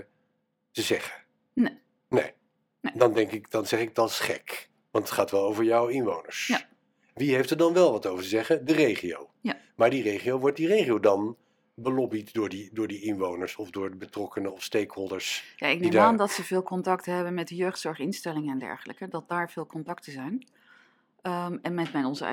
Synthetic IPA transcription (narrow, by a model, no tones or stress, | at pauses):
təzɛχə | ne | dɑndɛŋkɪkd̥ɑnzɛχɪk̚dɑtɪ̥sχɛ̰k | ʋɑntətχaːtʋɛlˠowvəɹjawɪnʋownə̰ɹs | ʋiɦeftəɹdɑnʋɛlˠʋɑtowvəɹtəzɛχədərejχio̰w | maːɹdirejχiowʋɔɹt̚direjχiowdɑn | bəlɔbitdʊːɹdidʊːɹdiɪnʋownəɹsɔvdʊːɹdəbətrɔkənəɔfstejkhɔlˠdəɹsjaɪk̚nidmaːndɑtsəvɪːlˠkɔntɑktəɦɛbənmɛt̚dəjøɥχtsɔɹχɪnstɛlɪŋəɛndɛ̰ɹχələkədɑt̚daːɹv̥ɪːlˠkɔntɑktəzɛjn | mɛnmɛtmɛjnɔnzə̰